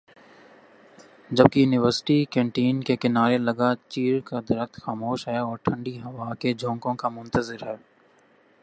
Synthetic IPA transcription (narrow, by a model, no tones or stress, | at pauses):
d͡ʒɐb̚kijuːnɪʋəɾsʈikɛ̃ːɳʈiːnkekɪnaːɾelɐɡat͡ʃiːɾkad̪ɐɾəxt̪xaːmoːʃɦɛːɔːɾʈʰɐ̃ɳɖiɦɐʋaːked͡ʒʱõːŋkõkamʊ̃nt̪əzɪɾɦɛː